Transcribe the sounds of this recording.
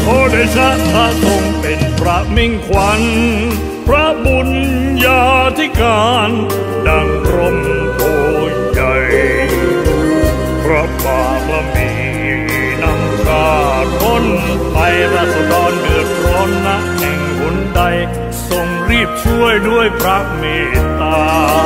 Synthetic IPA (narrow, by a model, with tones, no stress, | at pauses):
ʔoː˧˩da˧jt͡ɕʰa˦˥ʔt̪ʰaː˥˩so˧ŋpe˨npʰɾa˦˥mi˥˩ŋkʰwa˧˦˥n | pʰɾa˦˥bu˨˧njaː˧t̪ʰiː˧˥˩kaː˧n | da˧ŋkʰɾo˧˥m | ʔoː˧˩jt͡ɕa˧˩j | t̪uː˧˩ | pʰɾa˦˥baː˨˩pɾa˧miː˧˩ | na˦˥mkaː˧˩k̪ʰo˥˩n | pa˧jɾa˧˩sa˧˩d̪ɔː˧nmɯ˨˩ət̚kʰɾɔː˦˥mna˦˥ʔhɛ˨˩ŋku˩˦nda˧j | so˧ŋɾiː˥˩p̚t͡ɕʰu˥˩əjdu˥˩əjpʰɾa˦˥meː˧˩t̪aː˧